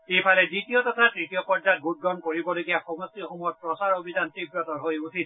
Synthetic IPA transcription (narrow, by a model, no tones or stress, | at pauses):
ejpʰalɛditijɔtɔtʰatɹitijɔpɔɹd͡ʒat̚ɡut̚ɡɔnkoɹibɔloɡijaxɔmɔstixomujɔt̚pɹɔsaɹobʱidantibɹɔtɔɹɦojusʰit̚